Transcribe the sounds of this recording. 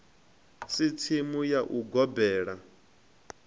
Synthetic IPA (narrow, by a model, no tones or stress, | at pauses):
sitʰimujaʔuɡɔbɛːɺa